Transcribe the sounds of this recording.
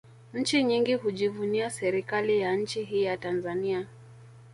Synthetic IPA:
ɲ̩t͡ʃiɲiŋɡihuʄivuniasɛɾikalijan̩ɲ̩t͡ʃiɦiːjatanzania

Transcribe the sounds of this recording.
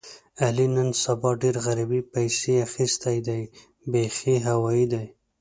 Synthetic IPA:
alinənsabɑɖeɾɣaɾabipajseaxist̪ajd̪aj | bexiɦawɑjid̪aj

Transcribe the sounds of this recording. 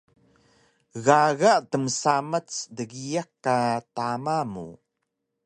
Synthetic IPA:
ɣaɣaʔtəmsamat͡sdəɣijakːatamamṵ

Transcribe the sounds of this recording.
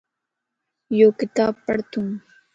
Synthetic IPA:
joːkɪt̪aːb̚pəɽt̪ũː

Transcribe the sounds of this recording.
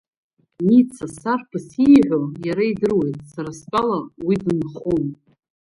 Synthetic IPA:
nit͡sʰasarpʰasijʕʷojaɾaidɨrwejtʼsaɾaspʼalawidɨnχun

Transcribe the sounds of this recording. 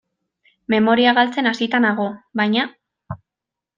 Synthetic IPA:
me̞mo̞ɾiaɣalt͡se̞nasit̪anaɣ̞o̞βajɲa

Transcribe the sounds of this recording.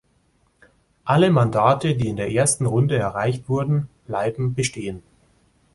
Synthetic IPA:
ʔaləmandaːtədiːɪndeːɐʔeːɐstn̩ʁʊndəɛɐʁaɪçtv̥ʊɐdn̩b̥laɪbm̩bəʃteːən

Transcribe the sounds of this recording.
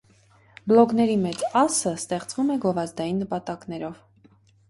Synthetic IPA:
blɔkn̪ɛɾimɛt͡sɑsəst̪ɛχt͡svumɛɡɔvɑzd̪ɑjinːəpɑt̪ɑkn̪ɛɾɔv

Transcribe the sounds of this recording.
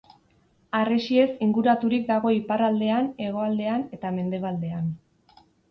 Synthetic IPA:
aresie̞siŋɡuɾat̪uɾik̚d̪aɣ̞o̞iparald̪e̞ane̞ɣ̞o̞ald̪e̞ane̞t̪ame̞nd̪e̞βald̪e̞an

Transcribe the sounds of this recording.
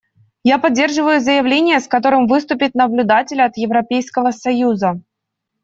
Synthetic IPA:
japɐdʲːe̞rʐɨvəjʊzəjɪvlʲenʲɪjəskɐt̪o̞ɾɨmvɨst̪ʊpʲɪt̪nəblʲʊd̪atʲɪlʲɐt̪jɪvɾɐpʲejskəvəsɐjuzə

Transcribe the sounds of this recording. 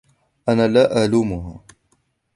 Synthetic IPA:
ʔanaːlaːʔaʕluːmʊɦaː

